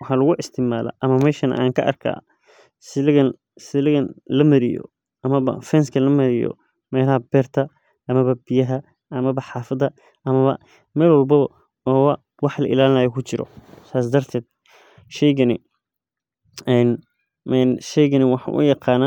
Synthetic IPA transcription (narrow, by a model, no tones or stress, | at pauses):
wɑħɑːlɐɣʊʔɪst̪ʰɪmaːlɐ̰ʔɐmɐmɛːʃɐnɐ̰ʔaːŋkʰɐʔɐ̰rkʰa̰ː | sɪlɪɣɐn | sɪlɪɣɐnlɐmɐɾɪjɔ̰ | ʔɐmɐβɐ̰fɛnskʰɐlɐmɐɾɪjɔ̰ | mɛːlɐhɐbɛːrt̪ʰɐ | ɐmɐβɐbɪjɐɦɐ | ʔɐmɐβɐħɑːfɐd̪ɐ | ʔɐmɐβɐ̰ | mɛːlwɐlbɐβɐ | ɔːβɐ | wɑħlɐ̰ʔɪ̰laːlɪnaːjɔkʰʊt͡ʃɪɾɔ̰saːs̬d̪ɐrt̪ʰɛːd̪̥̚ | ʃɛjɣɐnɪ̰ | ɛn | ɛnʃɛjɣɐnɪwɑħɑ̰ʔʊ̰jɑqɑːnaː